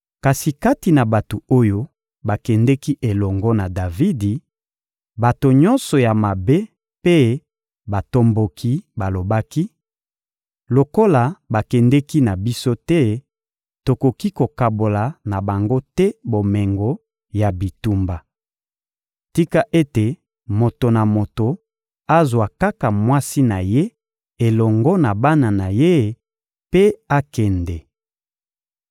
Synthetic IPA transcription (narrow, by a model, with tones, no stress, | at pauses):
ka˨si˨ka˦ti˨na˨ba˨to˨o˦jo˦ | ba˨kɛ˨ndɛ˦ki˦ʔe˨lɔ˨ŋɡɔ˦na˨da˨vi˦di˨ | ba˨to˨ɲɔ̃˦nsɔ˨ja˨ma˨be˦ | pe˦ | ba˨to˦mbo˨kʰi˦ba˨lo˨ba˦ki˦ | lo˨ko˦la˨ba˨kɛ˨ndɛ˦ki˦na˨bi˦so˦tɛ˦ | to˨ko˨ki˦ko˨ka˨bo˨la˨na˨ba˨ŋɡo˦tɛ˦bo˨mɛ˨ŋɡo˨˦ | ja˨bi˨tu˨mba˨ | ti˦ka˦ʔe˦te˨ | mo˨to˨na˨mo˨to˨ | a˦zwa˨ka˦ka˨mwa˦si˦na˨je˦ | e˨lɔ˨ŋɡɔ˦na˨ba˦na˨na˨je˦˨ | pe˦a˦kɛ˨ndɛ˨